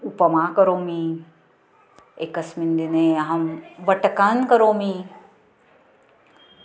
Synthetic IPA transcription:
upəmaːkəɾoːmĩ | ekəsmind̪ineɦɐmʋəʈəkaːnkəɾoːmĩ

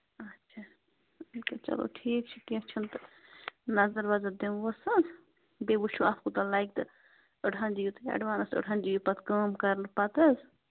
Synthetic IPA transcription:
ɐtːʃʰaː | ikɐt͡ʃɐ̰lo̰ʈʰiːk̚t͡ʃʰi̥kik̚t͡ʃʰɐnt̪ɨnɐzɐɾʋazɐd̪emʋəsɐz | bebut͡ʃʰuaːpʰkut̪ɐlaːjk̚t̪ɨ | əɖɦand͡ʒijut̪ja̰ɖʋaːnɐsə̰ɖɦand͡ʒijupɐt̪kaːmkɐɾlpɐt̪ɐz

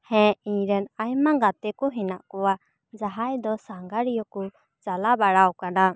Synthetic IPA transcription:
hɛ̃iɲɾɛnajmaɡat̪ɛkɔɦɛnaʔkɔwa | d͡ʒaɦajd̪ɔsaŋɡaɾijɔku | t͡ʃalabaɽawkana

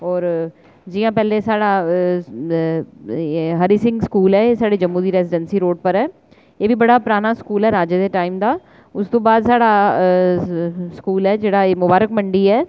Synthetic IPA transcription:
ɔːɾ | d͡ʒɪːjãːpɛːleːsaːɽaː | ɦəɾiːsɪ̃ŋɡskuːlɛːeːsaːɽeːd͡ʒəmːũːd̪iːɾɛːzɪɖənsiːɾoːɖpəɾɛː | eːʋiːbəɽaːpɾaːnaːskuːlɛːɾaːd͡ʒeːd̪eːʈaːimd̪aː | ʊst̪õːbaːd̪saːɽaː | skuːlɛːd͡ʒeːɽaːeːmʊbaːɾəkməɳɖiːɛː

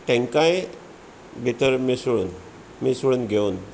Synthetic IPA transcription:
ʈẽŋkãj | bʱit̪əɾmisuɭun | misuɭunɡʱeun

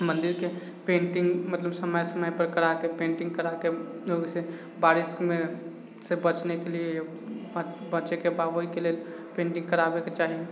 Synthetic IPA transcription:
mə̃nd̪iɾke | pẽːɳʈɪ̃ŋɡmət̪ləbsəməjsəməjpəɾkəɾakepẽːɳʈɪ̃ŋɡkəɾakeoɡse | baɾɪskmẽ | sebət͡ʃnekelieej | bət͡ʃekebaɦoikelel | pẽːɳʈɪ̃ŋɡkəɾabeket͡ʃaːɦie

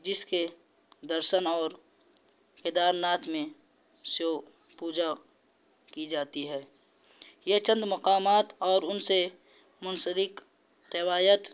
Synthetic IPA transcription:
d͡ʒɪske | d̪əɾʃənɔːɾ | ked̪aːɾnaːt̪ʰmẽ | sjo | puːd͡ʒa | kid͡ʒaːt̪iɦɛː | jet͡ʃə̃nd̪mɐqaːmaːt̪ɔːɾʊnse | mʊnsəɾɪk | ɾɪʋwaːjət̪

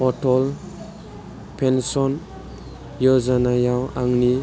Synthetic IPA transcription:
ɔtʰɔl | pʰensɔn | jɔzanajawaŋni

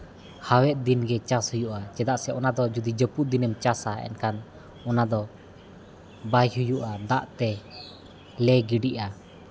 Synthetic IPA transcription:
hawɛt̪̚d̪inɡɛt͡ʃashujuʔat͡ʃɛd̪aʔsɛʔɔnad̪ɔd͡ʒud̪id͡ʒəpuʔ̪̚d̪inəmt͡ʃasaɛ̰nkan | ɔnad̪ɔ | bajɦujuʔad̪aʔt̪ɛ | lɛɡiɖiʔa

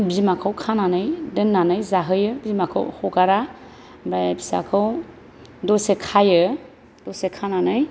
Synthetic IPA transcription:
bizimakʰɯwkʰananɯjdɯnːanɯjzaɦɯjɯbizmakʰɯ̰whɔɡaɾa | mɾajbisa̰kʰɯw | dɔsekʰajɯ | dɔsekʰananɯj

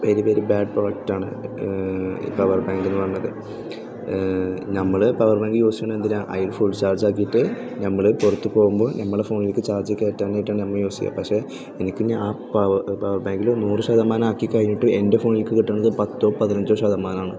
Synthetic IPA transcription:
ʋeɾipeːɾubaːɖ̚proːjek̚taːɳɨ̰ | ḭpɐʋɐrbaːŋɡinːɨʋɐrnːɐðɨ | nɐmːɐɭɨpɐʋɐrbaːŋɡɨjo̞ːsi̥ːnːend̪inaːʔɐ̰jlfuɭt͡ɕaːrd͡ʑaːkːijiʈːɨ | nɐmːɐɭɨpurɐt̪ːupo̞ːɣumbo̞ːnɐmːɐɭefo̞ːnilkːɨt͡ɕaːrd͡ʑikʲːeːtːaːnejiʈːaːɳɨnɐmːɐɭjo̞ːsikʲːa̰pɐkʂe̞ː | enikʲːɨɲaaːpɐpɐʋɐrbaːŋɡilonuːrɨɕɐd̪ɐmːaːnaːkːikːɐɻiɲːiʈːɨe̞nde̞foːnilkːɨkiʈːɐːɳːɐðɨpɐt̪ːo̞ːpɐðinɐɲd͡ʑo̞ːɕɐd̪ɐmːaːnaːɳɨ

